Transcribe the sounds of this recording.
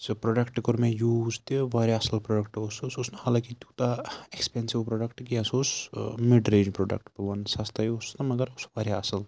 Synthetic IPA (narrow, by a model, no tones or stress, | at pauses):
sɨpɾoːɖɐkʈkoɾmẽjuːzt̪iʋaːɾjaɐsɐlpɾoɖəkʈosososnɐhaːlãːkit̪ʲuːt̪aekspensiʋpɾoːɖɐkʈkiɐsosmiɖɾeːd͡ʒpɾoːɖɐ̰k̚ʈpɐʋɐnsast̪ʰajost̪ɐmɐɡəɾosʋaːɾjaɐsɐl